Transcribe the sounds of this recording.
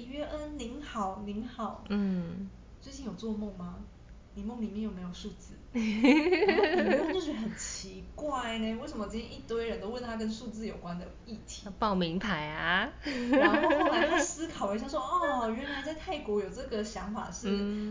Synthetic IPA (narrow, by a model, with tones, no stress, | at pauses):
ɥɛ˥ʔə˦nli˧˥ŋxɑ˨˩˦ʊni˧˥ŋxɑ˨˩˦ʊn̩˥˩ | t͡swe˥˧ɪt͡ɕi˥˩njo˨˩ʊt͡swɔ˥˧mʊ˥˩ŋma˩ | ni˨˩mʊ˥˩ŋli˨˩mjɛ˥˩njo˨˩me˧˥ɪjo˨˩ʂu˥˧t͡sɹ̩˥˩˨ | t͡ɕjo˥˧ʂɥxə˨˩nt͡ɕʰi˧˦kwa˥˩ɪne˧we˥˩ɪʂə˧˨mə˧˩t͡ɕi˥nt̪ʰjɛ̃˥ʔi˥˩t̪wə˥ɪɻə˧˦nt̪o˥ʊwə˥˩nt̪ʰa˥k̬ə˦˥nʂu˥˧t͡sɹ̩˥˩jo˨˩ʊkwa˦nd̪ə˨˩i˥˩t̪ʰi̥̰˨˧pɑ˥˩ʊmi˧˥ŋpʰa˧˦ɪa˧˥ | ɔ˥˩la˧˥a˥˩sɹ̩˥kʰɑ˨˩ʊi˧˥ɕjʂwɔ˥ʔɔ˥˩˨ɥɛ˧˥nla˧˥ɪt͡sa˥˧ɪt̪ʰa˥˩ɪkwɔ˧˥jo˨˩ʊʈ͡ʂɤ˥˩ɡə˨˩ɕjɑ˧˥ŋfa̰˨˩ʂɻ̩˥˩